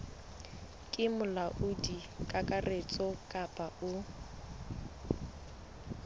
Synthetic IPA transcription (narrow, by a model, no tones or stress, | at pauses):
kʼɪmʊlaʔʊdi | kʼakʼaret͡sʼɔkʼapʼaʊ